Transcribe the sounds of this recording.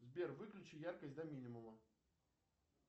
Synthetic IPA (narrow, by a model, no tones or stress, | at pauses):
zbʲervɨklʲʉt͡ɕɪjarkəsʲd̪ɐmʲinʲɪmʊmə